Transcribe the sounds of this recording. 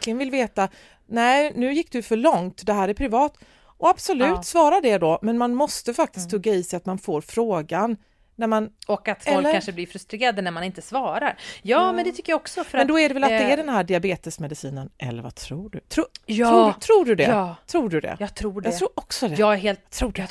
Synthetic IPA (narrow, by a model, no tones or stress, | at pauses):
kʰlɪɡənvɪlveːt̪a | nɛɪnʉ̟ːjɪkːd̪ɛfœɭɔŋt̪d̪ɛɦæːɾæɾpʰɾɪvɑːt̪ | ʔɔab̥sɔlʉ̟ːt̪svɑːɾad̪ɛd̪ɔmɛnmanmɔst̪əfak̚t̪ɪsk̪ʰːɵɡːaiːsɛjat̪manfoːɾfɾoːɡanː | æɾmanɔkːat̪fɛlɔlk̪əkɾʰanʂəblɪɾfɾɵst̪ɾeːɾad̪ənæɾmanɪnt̪əsvɑːɾaɾjɑːmɛnd̪ɛt̪ʰʏkːəjaɔksɔfœɾɛnd̪ɔæɖɛvɛlat̪̚d̪ɛæɖɛnhæːɖɪabeːt̪əsmɛd̪ɪsiːnənʔɛ̰lːə̰ɾva̰t̪ʰɾuːɖɵ̰t̪ʰɾuːɾuːt̪ʰɾuːɖɵd̪ɛ̰t̪ʰɾuːɖɵd̪ɛ̰jɑt̪ʰɾuːjɑt̪ʰɾuːɾɔksɔd̪ɛjɑɦeːlt̪ʰɾuː